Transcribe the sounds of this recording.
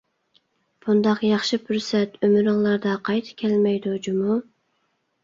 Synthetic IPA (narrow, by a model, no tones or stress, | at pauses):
b̥und̪ɑqjɑχʃipʰyɾsɛt̪ʰømyɾɨŋlˠɑɾd̪ɑqʰɑjt̪ʰɨ̥kʲʰɛlmɛjd̪ud͡ʒumu